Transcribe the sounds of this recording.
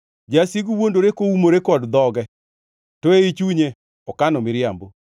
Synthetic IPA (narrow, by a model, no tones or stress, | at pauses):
d͡ʒasiɡuwondoɾekoumoɾekɔdd̪ɔɡɛ | toeit͡ʃuɲe | ɔkanɔmɪɾjambo